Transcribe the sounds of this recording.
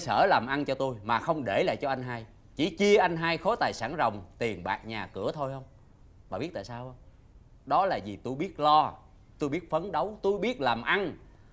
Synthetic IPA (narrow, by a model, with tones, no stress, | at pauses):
səː˧˩laː˨˩mʔa˧nt͡ɕɔ˧t̪u˧jmaː˨˩xə˧wŋ͡mɗe˧˩la̰ː˧˨jt͡ɕɔ˧ʔa˧ŋ̟ɦaː˧j | t͡ɕi˧˩˦t͡ɕi˧əʔa˧jŋ̟ɦaː˧jxo˨˦t̪aː˨˩jsaː˧˩nzə˨˩wŋ͡mt̪i˨˩ənɓa̰ː˨˩ʔ̚ɲaː˨˩kɨ˧˩ət̪ʰo˧jhə˧wŋ͡m | ɓaː˨˩i˦˥t̚t̪a̰ː˧˨˩saː˧whə˧wŋ͡m | ɗɔ˨˦laː˨˩zi˨˩t̪u˧jɓi˦˥ət̚lɔ˧ | t̪u˧jɓi˦˥t̚fə˨˦nɗə˨˦wt̪u˧jɓi˦˥ət̚laː˨˩mʔa˧n